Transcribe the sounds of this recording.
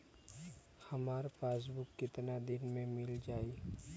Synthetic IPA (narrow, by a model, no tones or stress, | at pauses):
hɐmaːɾpaːs̬bʊkːɪt̪nad̪ɪnmẽmɪld͡ʒaːi